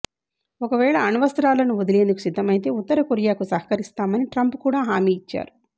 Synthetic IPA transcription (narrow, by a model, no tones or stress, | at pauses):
okɐʋɛːɭɐːnuʋɐst̪ɾaːlɐnuod̪ile̞ːnd̪uku̥sid̪ʱːɐmɐjit̪e̞ːut̪ːɐɾɐkoɾijaːkusɐɦɐ̥kɐɾist̪aːmɐniʈɾɐmpkuːɽaːɦaːmiːit͡ʃːa̰ːɾu